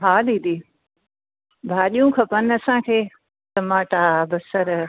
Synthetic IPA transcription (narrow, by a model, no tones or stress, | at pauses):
ɦaːliːd̪iː | bʱaːɗijũkʰɐpənɐsãːkʰeː | sɐmaːʈaːbɐsɐɾ